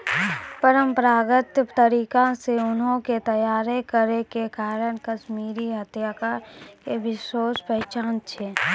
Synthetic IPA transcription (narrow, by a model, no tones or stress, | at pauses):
pəɾəmpəɾaːɡət̪t̪əɾiːkãseʊnɦõket̪ɐjaːɾekəɾekekaːɾəɽ̃kəʃmiːɾiɦət̪jaːkakeʋɪʃoːspɛɦɛt͡ʃaːnt͡ʃʰeː